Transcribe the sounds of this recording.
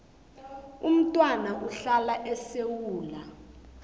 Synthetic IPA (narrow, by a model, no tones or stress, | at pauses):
um̩tʼwanaʔuɬalaʔɛsewuːla